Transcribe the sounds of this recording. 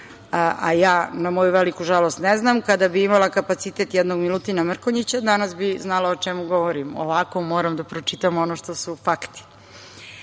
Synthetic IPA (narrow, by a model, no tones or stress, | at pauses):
a̰jaːnamojuʋelikuʒalost̪neznamkad̪abiimalakapat̪sit̪e̞t̪jɛd̪no̞ɡmilut̪inamr̩koɲit͡ɕad̪anasbiznalˠaot͡ʃemuɡoʋoɾimo̰ʋako̞mo̞ːɾamd̪apɾot͡ʃit̪amo̞noʃt̪o̞sufakt̪i̥